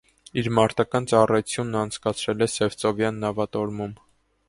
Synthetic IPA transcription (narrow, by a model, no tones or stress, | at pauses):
iɾmɑɾt̪ɑkɑnt͡sɑrɑjt͡sʰjunːɑnt͡sʰkɑt͡sʰɾɛlɛsɛvt͡sɔvjɑnːɑvɑt̪ɔɾmum